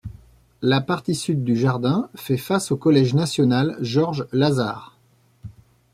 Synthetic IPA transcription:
lapaʁt̪isyd̪ːyʒaʁd̪ɛ̃fɛfasokɔlɛʒnasjɔnalʒɔʁʒlaza̰ːʁ

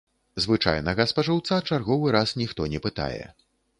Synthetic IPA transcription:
zvɨt͡ʂa̰jnɐɣɐspɐʐɨwt̪sat͡ʂarɣɔvɨɾasnʲixt̪ɔnʲɛpɨt̪a̰jɛ̰

